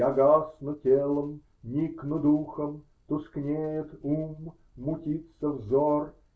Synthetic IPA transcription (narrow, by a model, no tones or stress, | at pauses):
jaɡasnʊtʲelˠəm | nʲiknʊd̪uxəm | t̪ʊsknʲejɪt̪umː | ʊtʲit̪səvzor